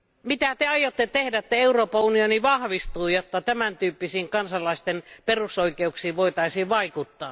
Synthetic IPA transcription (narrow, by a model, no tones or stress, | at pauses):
mit̪æt̪eɑjot̪ːet̪ehdæet̪ːæeuroːpɑunioniʋɑhʋist̪uːjot̪ːɑt̪æmænt̪yːpːisiːŋkɑnsɑlˑɑist̪enperusoikeuksiːʋʋoit̪ɑisiːʋʋɑikut̪ːɑː